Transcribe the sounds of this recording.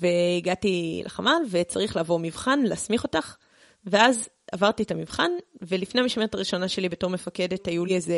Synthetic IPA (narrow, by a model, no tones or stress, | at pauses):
ve̞iɡatilʔa̰χa̰malve̞t͡saʁiχlaːvo̞mivχanleːsmiχo̞taχ | veaz | avaʁtietamivχanve̞lifne̞hamiʃmeʁtaʁiʃo̞naʃe̞libe̞to̞ʁmefake̞dethajulieze